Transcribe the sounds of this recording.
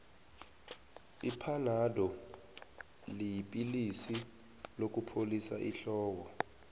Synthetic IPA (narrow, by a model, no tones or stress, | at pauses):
ipʰanadɔ | lijipʼilisi | lok̬ʼupʰolisaʔiɬɔːwɔ